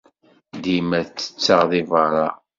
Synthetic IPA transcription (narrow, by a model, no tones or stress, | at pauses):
d̪imæθt͡sːə̥t͡sːəʁðivəɾˤɑ̰